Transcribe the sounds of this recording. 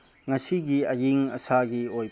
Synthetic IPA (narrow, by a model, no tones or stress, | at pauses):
ŋɐsiɡiɐjiŋɐsaɡioj